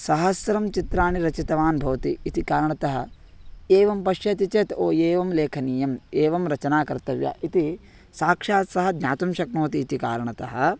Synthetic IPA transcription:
sɐɦɐsʋɾɐmt͡ʃit̪ɾaːɳiɾɐt͡ʃit̪ɐʋaːnbʱɐʋɐt̪iːt̪ikaːɾɐɳɐt̪ɐɦɐ̆ | eːʋɐmpɐʃjɐt̪it͡ʃeːt̪oːeːʋɐmleːkʰɐniːjɐmeːʋɐmɾɐt͡ʃɐnaːkɐɾt̪ɐʋjɐ̰ʔit̪i | saːkʂaːt̪sɐɦɐ̆d̪nɲaːt̪umʃɐknoːt̪iːt̪ikaːɾɐɳɐt̪ɐɦɐ̆

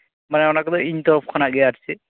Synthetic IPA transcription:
manɛɔnakɔd̪ɔiɲt̪ɔɾɔpʰkʰanaɡiatʰi̥sʰi

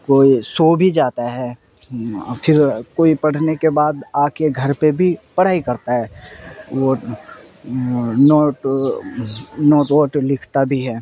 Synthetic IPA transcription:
koːisoːbʱid͡ʒaːt̪aɦɛː | fʰɪɾkoːipɐɽ̤nekebaːd̪aːkeɡʱɐɾpebʱipɐɽ̤aːikɐɾt̪aɦɛːʋo | noːʈ | nɔːʈoːʈlɪkʰt̪abʱiɦɛː

